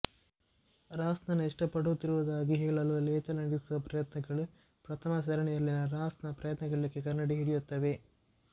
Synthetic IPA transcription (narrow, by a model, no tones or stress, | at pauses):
ɾaːsnɐnuiʂʈɐpːɐɽut̪iɾuʋɐd̪aːɡiɦɛːɭɐlulɛːt̪ɐlɐŋɡisuʋɐpɾɐjɐt̪nɐɡɐɭu | pɾɐt̪ʰɐmɐs̬ɐɾɐɳɛjɐlːinɐɾaːsnɐpɾɐjɐt̪nɐɡɐɭːikːekɐɾnɐɽiɦiɽijut̪ːɐʋe̞